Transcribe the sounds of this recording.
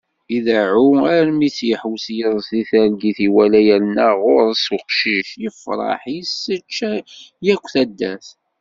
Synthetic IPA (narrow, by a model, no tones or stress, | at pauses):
iðaʕuæɾmisjəħwsjəðˤsiθæɾɡiθiwælæjælnəʁʊɾˤsʊqʃiʃjəfɾˤɑ̰ħjəsət͡ʃːæjækʷːθæd̪ːæθ